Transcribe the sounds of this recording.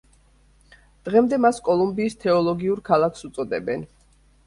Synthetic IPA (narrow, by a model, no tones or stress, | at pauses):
d̪̥ʁɛmd̪ɛmaskʼɔlˠumbiːst̪ʰɛɔlˠɔɡiuɾkʰalˠakʰsut̪sʼɔd̪ɛbɛn